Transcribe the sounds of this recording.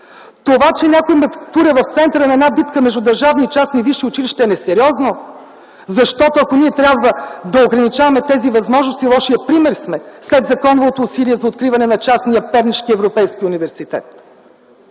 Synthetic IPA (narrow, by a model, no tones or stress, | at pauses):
t̪ovat͡ʃɛnʲakoimɛkt̪uɾəvɐft̪sɛnt̪əɾənɐɛd̪nabit̪kəmɛʒd̪ʊd̪ɐɾʒavniːt͡ʃasniviʃiʊt͡ʃiliʃt̪ɛːnɛsɛɾʲiɔzno | zɐʃt̪ɔt̪oɐkoniɛt̪ɾʲabvəd̪ɐoɡɾɐnit͡ʃavɐmɛt̪ɛzivɐzmɔʒnost̪ilˠɔʃijəpɾimɛɾsmɛslɛd̪zɐkɔnovvot̪oːsiliɛzɐot̪kɾivɐnɛnɐt͡ʃasnijəpɛɾniʃkiɛvɾopɛjsk̟iunivɛɾsit̪ɛ̰t̪